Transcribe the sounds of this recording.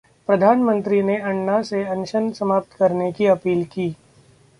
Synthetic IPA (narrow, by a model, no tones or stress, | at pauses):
pɾɐd̪ʱaːnmə̃nt̪ɾineɐ̃ɳːaseɐ̃nʃənsɐmaːp̚t̪kɐɾnekiɐpiːlkiː